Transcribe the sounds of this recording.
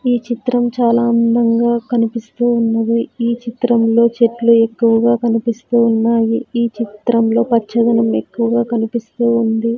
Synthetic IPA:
iːt͡ʃit̪ɾɐmt͡ʃaːlaːɐnd̪ɐŋɡaːkɐnipist̪uːunːɐd̪iiːt͡ʃit̪ɾɐmlo̞ːt͡ʃeʈlue̞kːuʋɐɡaːkɐnipist̪uːnːaːjiiːt͡ʃit̪ɾɐmlo̞ːpɐt͡ʃːɐd̪ɐnɐme̞kːuʋɐɡaːkɐnipist̪uːund̪i

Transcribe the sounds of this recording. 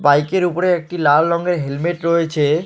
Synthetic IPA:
bajkeɾupoɾeek̚ʈilalːɔŋɡeɾɦelmeʈɾɔjet͡ɕʰe

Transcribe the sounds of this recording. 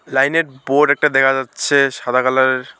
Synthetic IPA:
lajneɾboɖɛk̚ʈad̪ɛkʰazat̪ːsʰesad̪ʱakalaɾ

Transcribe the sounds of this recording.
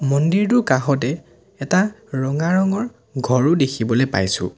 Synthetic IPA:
mɔndiɹdʊkaɦɔt̬ɛ | ɛtaɹɔŋaɹɔŋɔɹ | ɡʱɔɹʊdekʰibɔlepa̰jsʊ̰̃

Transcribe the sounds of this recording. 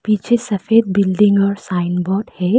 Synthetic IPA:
pit͡ʃʰesɐfeːd̪̚bɪlɖɪ̃ŋɡɔːɾsaːɪnbɔːʈhɛ

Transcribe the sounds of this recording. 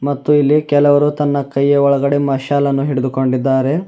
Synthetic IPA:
mɐt̪ːuilːikɛlɐʋɐɾut̪ɐnːɐkɐjːɐɔɭɐɡɐɽemɐʃaːlɐnːuɦiɽud̪uko̞ɳɖid̪ːaːɾe̞

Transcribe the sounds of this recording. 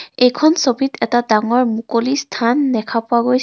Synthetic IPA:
ejkʰɔnsobʱitɛtadaŋɔɹmukolistʰanːɛkʰapʊwaɡojs

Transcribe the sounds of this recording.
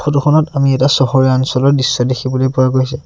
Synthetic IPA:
xotuxʰɔnɔtamiɛtasɔɦɔɹiaɔnsɔlɔɹdisːɔdekʰibɔlojpuwaɡojsɛ

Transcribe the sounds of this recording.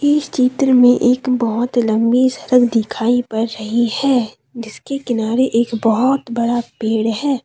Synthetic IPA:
ɪːst͡ʃiːt̪ɾəmẽʔeːkbɔɦʊt̪lə̃mbisɐɾəɡd̪ɪkʰaːipɐɾːɐɦihɛː | d͡ʒɪskekɪnaːɾeʔeːkbɔɦʊt̪bɐɽapeːɽɦɛː

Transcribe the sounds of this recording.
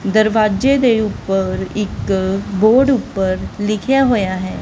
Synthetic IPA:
d̪əɾʋaːd͡ʒed̪eʊpːəɾɪkboːɾɖʊpːəɾlɪkʰjaɦoːjaɦɛː

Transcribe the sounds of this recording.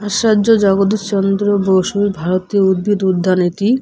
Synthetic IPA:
aʃad͡ʑod͡ʑɔɡod̪it͡ɕɔnd̪ɾobowʃubʱaɾot̪ioud̪̚bid̪ud̪ʱːanit̪i

